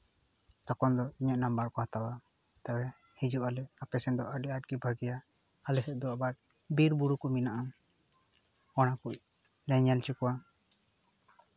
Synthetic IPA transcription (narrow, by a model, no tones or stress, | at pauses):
t̪akɔnd̪ɔiɲaʔnambaɾkɔhat̪awa | t̪awɛ | hid͡ʒuʔalɛapɛsɛnd̪ɔʔaɖɛat̚ɡibʱaɡijaː | lɛsɛʔ̪̚d̪ɔabaɾ | biɾbuɽukɔminaʔa | ɔɽakuc̚ | lɛɲant͡ʃukɔwa